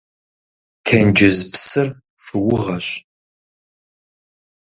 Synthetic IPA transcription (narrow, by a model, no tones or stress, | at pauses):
tʰɐnd͡ʒɪzpsɨr | fɨwʊʁɐɕ